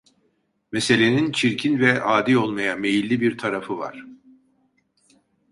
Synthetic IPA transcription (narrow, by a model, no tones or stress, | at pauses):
mese̞lʲe̞nint͡ʃʰiɾcʰinvɛʔaːd̪io̞lˠmajamejilʲːibiɾt̪ʰaɾafɯva̰ɾ̥